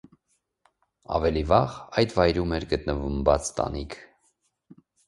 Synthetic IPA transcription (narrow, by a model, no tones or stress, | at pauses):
ɑ̰vɛlivɑʁɑjd̪vɑjɾumɛɾɡət̪nəvumbɑt͡st̪ɑ̰nikʰ